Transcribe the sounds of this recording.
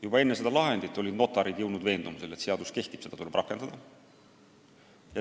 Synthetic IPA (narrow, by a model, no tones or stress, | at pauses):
jubɑe̞nːe̞se̞d̪̥ɑlɑɦend̪it̪ːˑo̞lʲid̪̥no̞t̪ːˑɑɾid̪̥jɤwnud̪ve̞ːnd̪umise̞le̞t̪se̞ɑd̪̥uske̞ht̪ib̥se̞d̪̥ɑt̪ulb̥rɑkːˑe̞nd̪̥ɑd̪̥ɑ | jɑ